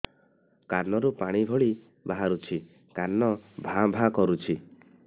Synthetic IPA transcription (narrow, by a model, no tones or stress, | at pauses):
kaɾnɔɾupaɽ̃ibʱɔɭi | baɦaɾut͡ʃʰi | kaɾnɔbʱabʱakɔɾut͡ʃʰi